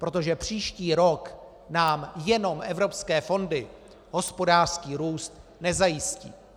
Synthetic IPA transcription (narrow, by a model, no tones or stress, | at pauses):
pɾo̞t̪o̞ʒɛpr̝̥iːʃciːɾo̞k | naːmjɛno̞mʔɛvɾo̞pskɛːfo̞ndɪ | ɦo̞spo̞daːr̥skiːɾuːst̪nɛzajɪscḭː